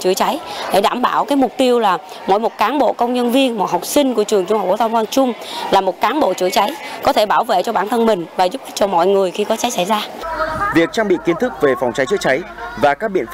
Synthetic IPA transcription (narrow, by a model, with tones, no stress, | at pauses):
t͡ɕɨ˧˩ət͡ɕa˨˦jɗe˧˩ɗaː˧˩mɓaː˧˩wkaː˨˦jm˨˩k͡p̚t̪i˧əwlaː˨˩ | mɔ̰˧˨jmo˨˩t̚kaː˨˦nɓo̰˧˨kə˧wŋ͡mɲə˧nvi˧ənmɔ˨˩ha˨˩wk͡p̚sï˧ŋ̟ku˧˩ət͡ɕɨ˨˩əŋt͡ɕʊ˧ŋ͡mha˨˩k͡p̚kːt̪ʰwŋ͡mkwaː˧nt͡ɕʊ˧ŋ͡mlaː˨˩mo˨˩t̚kaː˨˦nɓo̰˧˨t͡ɕɨ˧˩ət͡ɕa˨˦jkɔ˨˦t̪ʰe˧˩ɓaː˧˩wvḛ˧˨t͡ɕɔ˧ɓaː˧˩nt̪ʰə˧nmï˨˩ŋ̟vaː˨˩zʊ˦˥˦t̚t͡ɕɔ˧mɔ̰˧˨jŋɨ˨˩əjxi˧kɔ˨˦t͡ɕa˨˦jsa˧˩jzaː˧vi˨˩ək̚t͡ɕaː˧ŋɓḭ˧˨ki˨˦nt̪ʰɨ˦˥k̚ve˨˩fa˨˩wŋ͡mt͡ɕa˨˦jt͡ɕɨ̰˧˥ət͡ɕa˨˦jvaː˨˩kaː˦˥k̚ɓḭ˧ənfa˦